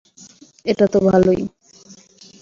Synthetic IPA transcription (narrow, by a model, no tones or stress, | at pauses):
eʈat̪obʱaloj